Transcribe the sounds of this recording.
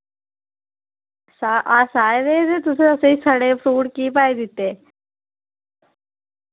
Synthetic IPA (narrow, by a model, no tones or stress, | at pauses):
saʔasaːjd̪eːd̪et̪usəəseisəɽefɾuːɽkiːp̬aːjd̪it̪ːe